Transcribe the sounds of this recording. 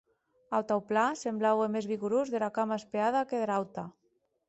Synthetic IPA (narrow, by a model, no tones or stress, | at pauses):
awt̪awplasemblawemezβiɣuɾozðelakamaespeaðakeðeɾawt̪a